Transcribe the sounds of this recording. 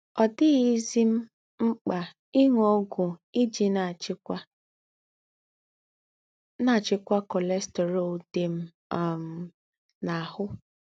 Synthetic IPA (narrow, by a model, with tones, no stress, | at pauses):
ɔ˨dɪ˦ɣi˦zi˦m̩˦ | ŋ͡m̩˦k͡pa˨ | i˦ŋʷo˦ɡʊ˨i˦d͡ʒi˨na˨t͡ʃkʷa˦ | na˦˨t͡ʃɪ˦kʷa˦kɔ˨le˦ste˨ɾo˨de˨m̩˦˨ | m̩˨ | na˨hʊ˦